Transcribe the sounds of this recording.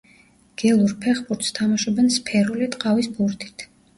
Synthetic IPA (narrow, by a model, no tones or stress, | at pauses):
ɡ̥ɛlˠuɾpʰɛχbuɾt̪ʰst̪ʰamaʃɔbɛnspʰɛɾulit̪ʼqʼavisbuɾt̪ʰi̥t̪ʰ